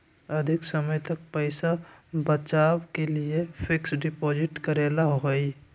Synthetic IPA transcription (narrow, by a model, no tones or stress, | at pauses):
əd̪ʱɪksəməjt̪ək̚pəɪsabət͡ʃaːwkeliepʰɪksɖɪpoːd͡ʒɪʈkəɾeːlaɦɦoi